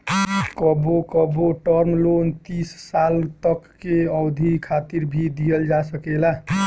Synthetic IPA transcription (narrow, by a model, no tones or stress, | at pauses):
kɔbokəboʈəɾmlont̪isːalt̪əkːeɔwd̪ʱikʰat̪iɾbʱid̪ijəld͡ʒasəkela